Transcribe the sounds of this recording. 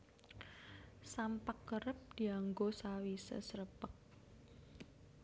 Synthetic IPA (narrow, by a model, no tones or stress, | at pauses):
sampakːəɾəp̚d̪̥i̤aŋɡosawisə̰sɾəpək̚